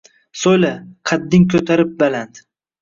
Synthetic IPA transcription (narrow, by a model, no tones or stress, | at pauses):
sojlaqʰɑd̪ːɪŋkʰɵt̪ʰaɾɪp̚baland̪